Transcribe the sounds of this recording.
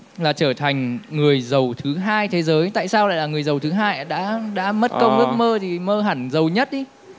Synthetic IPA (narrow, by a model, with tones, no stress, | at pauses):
laː˨˩t͡ɕəː˧˩t̪ʰa˨˩jŋ̟ŋɨ˨˩əjzə˨˩wt̪ʰɨ˨˦ɦaː˧jt̪ʰe˨˦zəː˨˦jt̪a̰ː˧˨jsaː˧wla̰ː˧˨laː˨˩ŋɨ˨˩əjzə˨˩wt̪ʰɨ˨˦ɦaː˧jɗa̰ː˧˥ɗa̰ː˧˥mə˦˥t̚kə˧ŋ͡mʔɨ˦˥ək̚məː˧t̪ʰi˨˩məː˧ɦaː˧˩nzə˨˩wɲə˦˥t̚ɗi˧